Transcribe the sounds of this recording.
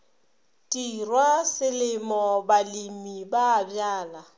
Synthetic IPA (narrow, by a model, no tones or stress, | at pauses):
tʼirwasɪlɪmɔbalimibaːbjaːla